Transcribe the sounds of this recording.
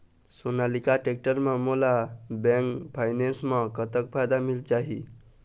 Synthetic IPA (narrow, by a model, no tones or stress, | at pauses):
sonalikaʈek̚ʈəɾmemolabẽŋkpʰajnẽnsmekət̪əkpʰajd̪amilt͡ʃaɦḭ